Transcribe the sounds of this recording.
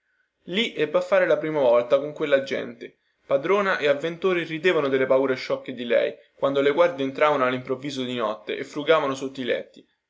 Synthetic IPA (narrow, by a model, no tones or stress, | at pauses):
liʔɛbːafːaːɾelapɾiːmavɔlt̪akoŋkwelːad͡ʒɛ̰nt̪e | pad̪ɾoːnaʔeavːent̪oːɾirid̪eːvanod̪elːepauːɾeʃːɔkːed̪ilɛ̰j | kwand̪oleɡward̪eːnt̪ɾaːvanoalːimpɾovːiːzod̪inɔt̪ːḛʔefɾuɡaːvanosot̪ːilɛ̰t̪ːi